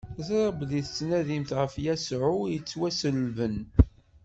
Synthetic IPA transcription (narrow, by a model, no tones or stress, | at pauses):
θɾˤəbðiθə̥t͡sːnæðimθʁəfjæsʕʊjət͡sːwæsəlvən